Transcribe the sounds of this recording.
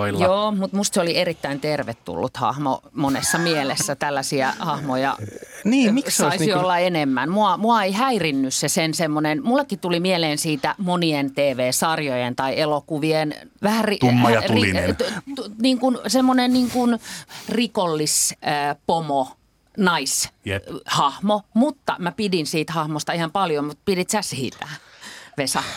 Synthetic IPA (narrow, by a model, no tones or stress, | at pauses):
oiljoːmut̪must̪seolierit̪ːæint̪erʋet̪tṵlːṵt̪hɑ̰hmo̰monesːɑmielesːæt̪ælːæsiæ̰hɑhmojɑ̰niːmissɑisiolːɑenemːænmuɑmuɑeihæirinːyssesensemːonenmulːekːitt̪ulimieleːnsiːt̪æmonient̪eːʋeːsɑrjojent̪ɑielokuʋienʋæhæriumːjɑt̪ruilit̪niːŋkunsemːonenniːŋkunrikolːispomo | nɑis | hɑhmomut̪ːɑ̰mæpidinsiːt̪hɑhmost̪ɑihɑmpɑljomut̪̚pidit̪sæsiːt̪æʋesɑ